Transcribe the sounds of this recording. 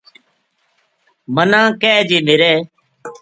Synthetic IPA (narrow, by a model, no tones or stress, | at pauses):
mənãːkɛːd͡ʒeːmɪɾeː